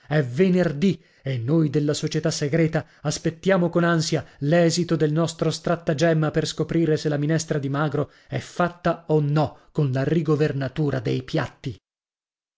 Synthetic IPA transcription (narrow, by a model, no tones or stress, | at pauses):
ɛvenerd̪i | enːojd̪elːasot͡ʃet̪asːeɡɾɛːt̪aːspet̪ːjaːmokonansjalɛːzit̪od̪elnɔst̪ɾost̪ɾat̪ːad͡ʒɛmːaperskopɾiːɾeselːaminɛst̪ɾad̪imaːɡɾo | ɛfːat̪ːaonːɔkonlariɡovernat̪uːɾad̪ejpja̰t̪ːi